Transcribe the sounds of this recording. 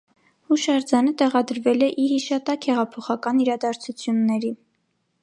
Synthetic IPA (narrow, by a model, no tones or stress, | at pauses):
huʃɑɾd͡zɑnət̪ɛʁɑd̪əɾvɛlɛʔihiʃɑt̪ɑkhɛʁɑpʰɔχɑkɑniɾɑd̪ɑɾt͡sʰut͡sʰjunːɛɾi